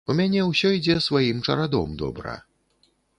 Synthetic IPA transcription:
umʲanʲɛwsʲɔid͡zʲɛsvajimt͡ʂɐ̰ɾad̪ɔ̰md̪ɔ̰bɾɐ̰

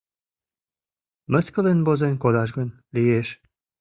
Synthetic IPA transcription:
mə̆skəlenbozenkod̪ɑʒɡən | lijeʃ

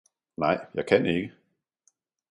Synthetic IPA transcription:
nɑ̈ɪ̰jɑ̈ɪkʰæneɡ̥ə

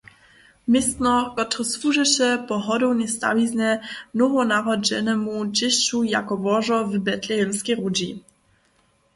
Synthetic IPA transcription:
mɪst̪nɔkɔt̪ɾɔsfuʐɛɕɛpɔɦɔd̪ɔwnɛst̪a̰viznɛnɔvɔnaʁɔd͡ʑɛ̰nɛmud͡ʑɪɕt͡ɕuja̰kɔvɔʐɔvbɛt̪lɛjɛnskʲɛjʁud͡ʑi

